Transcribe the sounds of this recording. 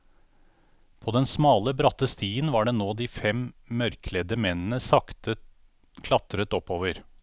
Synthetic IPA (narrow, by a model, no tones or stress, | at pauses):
pʰoːd̪ɛnsmɑːləbɾɑt̪əst̪iːənʋɑːɖeːnoːd̪iːfɛmmœɾkʰlɛd̪əmɛnən̩əsɑkt̪ə | kʰlɑt̪ɾət̪ɔpːoːʋəɾ